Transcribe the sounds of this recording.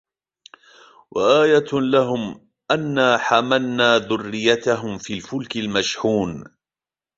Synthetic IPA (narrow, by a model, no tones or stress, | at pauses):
wʔaʔaːjalaɦʊm | ʔanːaːħamalnaːðʊrːɪjːat̪aɦʊmfiːlfʊlkɪlmaʃħuːn